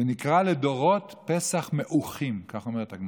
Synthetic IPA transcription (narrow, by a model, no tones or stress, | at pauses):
enikʁaledo̞ʁotpesaχmeʔuχimkaχo̞meʁet̪aɡm